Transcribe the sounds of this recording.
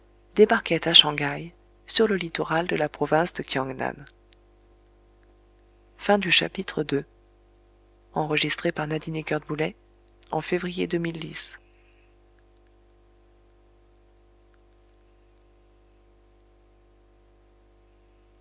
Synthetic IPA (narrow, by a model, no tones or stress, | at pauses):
d̪̥ebaʁkʲɛt̪aʃɑ̃ɡaj | syʁləlit̪ɔʁald̪əlapχɔvɛ̃sd̪əkʲʰjɑ̃ɡna̰n | fɛ̃d̪yʃa̰pit̪χəd̪ø | ɑ̃ʁəʒist̪χepaʁnad̪inekʲœʁd̪̚bulɛ | ɑ̰̃fevʁijed̪ømild̪is